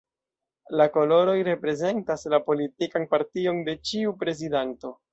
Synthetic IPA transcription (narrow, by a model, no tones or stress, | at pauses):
lako̞lo̞ɾo̞jɾe̞pɾe̞ze̞ntaslapo̞litikanpaɾtio̞nde̞t͡ʃiupɾe̞zidanto̞